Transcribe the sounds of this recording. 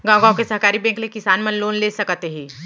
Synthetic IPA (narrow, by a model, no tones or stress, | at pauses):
ɡãːwɡãõkesɐɦkaːɾibɛ̃ːŋklekɪsaːnmɐ̃nloːnleːsɐkt̪eɦiː